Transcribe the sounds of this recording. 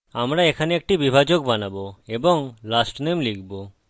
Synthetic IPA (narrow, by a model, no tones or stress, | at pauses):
amɾaekʰaneek̚ʈibibʱad͡ʒoɡ̚banaboebɔŋlasʈnemlikʰbo